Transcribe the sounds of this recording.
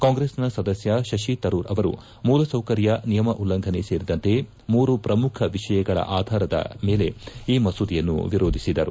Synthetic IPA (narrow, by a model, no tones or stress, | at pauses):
kaːŋɡɾesnɐsɐd̪ɐsjɐʃɐʃit̪ɐɾuːɾɐʋɐɾṵ | muːlɐsɐwkɐɾjɐnijɐmɐʔulːɐŋɡʱɐneseːɾid̪ɐnt̪e̞ | muːɾupɾɐmukʰɐʋiʂɐjɐɡɐɭɐ̰ʔaːd̪ʱaːɾɐd̪ɐ̰me̞ːle̞iːmɐsud̪ijɐnːṵʋiɾoːd̪ʱisid̪ɐɾṵ